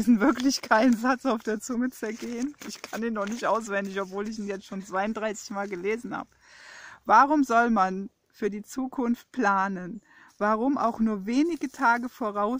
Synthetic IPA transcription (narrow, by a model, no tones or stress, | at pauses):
izn̩vɪɐklɪçkʰaɪnənzat͡saʊfd̥eːɐt͡sʊŋət͡sɛɐɡeːənʔɪçkʰaniːnːɔχnɪçtʔaʊsv̥ɛndɪçɔpv̥oːlɪçiːnjɛt͡stʃoːnt͡sv̥aɪʊntd̥ʁaɪsɪ̥çmaːlɡəleːzn̩ha̰ːbəvaʁ̞ʊmzɔlman | fyːɐdiːt͡suːkʰʊnft̚pʰl̥aːnən | vaʁʊmʔa̰ʊxnuːɐveːnɪɡətʰaːɡəfoːʁ̞aʊ